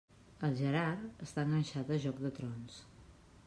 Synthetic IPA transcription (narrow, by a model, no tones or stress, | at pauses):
əlˠʒəɾaɾəst̪aəŋɡənʲʃat̪əʒɔk̚d̪ət̪ɾɔns